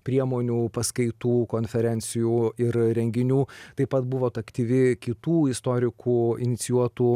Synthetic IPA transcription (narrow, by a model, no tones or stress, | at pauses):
pʲɾʲiɛmoːnʲuːpɐskɐɪt̪uːkoːnʲfʲɛɾʲɛnʲt̪sʲɪjuːɪɾɾʲɛŋʲɡʲɪnʲuːt̪ɐɪpɐt̪bʊʋoːt̪ɐkt̪ʲiːʋʲɪkʲɪt̪uːɪst̪oːɾʲɪkʰuːɪnʲɪt̪sʲɪjuɔt̪uː